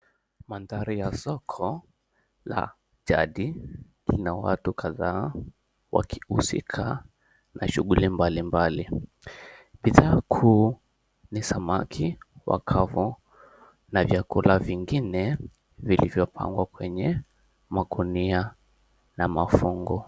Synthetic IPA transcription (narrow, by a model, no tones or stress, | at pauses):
mandaɾijasɔkʰɔ | la̰ | d͡ʒa̰ɗi | linawa̰tukʰaðaː | wa̰kʰi̥usḭkʰa | naʃuɡulimbalimbali | ɓiðaːkʰuː | nisamakʰiwa̰kʰavɔ | navjakulaviŋɡinɛ | vilivjɔpʰa̰ŋɡwakwɛɲɛ | maɡunia | namafuŋɡɔ